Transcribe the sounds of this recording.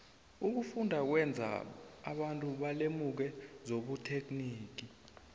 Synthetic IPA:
uk̬ufundʱak̬wɛnd͡zʱa̰a̰ɓantʼuɓalemuk̬ɛzoɓutʰek̬ʰʼniːk̬i

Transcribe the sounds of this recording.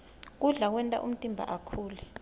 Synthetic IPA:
k̬uɮak̬wɛntʼa̰ʔum̩tʼimbʱa̰ʔakʰuːlɛ

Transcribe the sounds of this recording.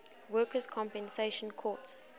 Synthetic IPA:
wɜːˑkəzkʰɔ̃mpɛ̃nseɪʃə̃nkʰɔːˑt

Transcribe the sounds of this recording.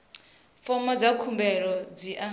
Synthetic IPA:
fɔmad͡zakʰumbɛɺɔd͡ziʔa

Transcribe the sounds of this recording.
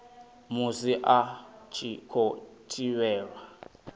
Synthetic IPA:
musiʔat͡ʃʰikʰotʰiwɛːɺa

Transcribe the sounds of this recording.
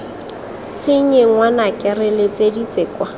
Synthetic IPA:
t͡sʰɪɲeŋwanakʼɪrɪlɪt͡sedit͡seːkwa

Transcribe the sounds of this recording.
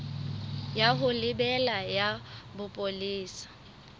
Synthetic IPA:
jaɦʊlɪbɛlajabʊpʼoliːsḁ

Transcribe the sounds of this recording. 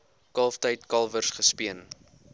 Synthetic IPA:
kɐlˠftəjtkɐlˠvərsχəspiən

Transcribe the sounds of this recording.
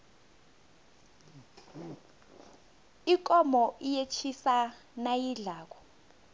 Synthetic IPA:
ik̬ʼɔmɔʔijet͡ʃʰisa | najiɮaːk̬ɔ̥

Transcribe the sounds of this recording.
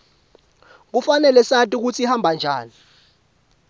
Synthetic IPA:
k̬ufanɛlɛsatʼik̬ut͡sʰihambʱand͡ʒʱaːni

